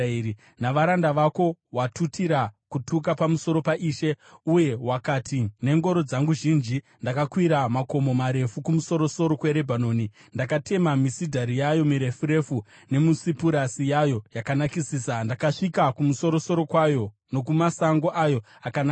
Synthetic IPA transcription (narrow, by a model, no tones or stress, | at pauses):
ii | naʋaɾandaʋako̞watʰutiɾakutʰuk̬apamuso̞ɾo̞paʔiːʃe̞uje̞wakatʰine̞ŋɡo̞ɾo̞d͡zaŋɡuʒind͡ʒi | ndakakwiɾamako̞mo̞maɾe̞fukumuso̞ɾo̞so̞ɾo̞kwe̞ɾe̞bʱano̞ːnindakate̞mamisidʱaɾijajo̞miɾe̞fuɾe̞fu | ne̞musipuɾasijajo̞jakanakisiːsandakaʂikakumuso̞ɾoso̞ɾo̞kwajo̞ | no̞kumasaŋɡoʔajo̞ | akana